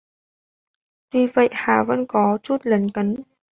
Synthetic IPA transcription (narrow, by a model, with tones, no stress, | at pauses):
vi˧˩və̰˧˨jʔhaː˧˩və̰˧˥˨nkɔ˨˦t͡ɕu˦˥t̚lə˨˦nkə˨˦n